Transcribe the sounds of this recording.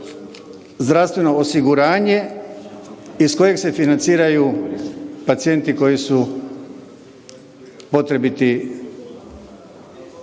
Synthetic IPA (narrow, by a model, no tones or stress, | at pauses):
zd̪ɾast̪ʋe̞no̞osiɡuɾaːɲe̞ | isko̞je̞ɡse̞finant̪siːɾaju | pat̪sije̞nt̪iko̞jisu | po̞t̪ɾe̞bit̪i